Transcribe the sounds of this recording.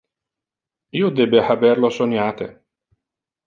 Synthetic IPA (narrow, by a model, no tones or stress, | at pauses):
iːod̪ebeħabɛɾlosonjaːt̪ḛ